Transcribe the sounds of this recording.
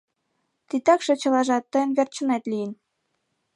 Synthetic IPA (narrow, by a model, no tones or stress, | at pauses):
t̪it̪ɑkʃɤ̆t͡ɕɤ̆lɑʒɑt̪ːɤ̆jə̆nβʲert͡ɕə̆net̪lʲijən